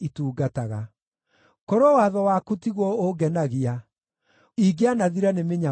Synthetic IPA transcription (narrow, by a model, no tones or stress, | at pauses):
ituːɡataɣa | kɔɾɔwaðɔwakutiɣwɔoɡɛnaɣia | iɡeanaðiɾanemeɲa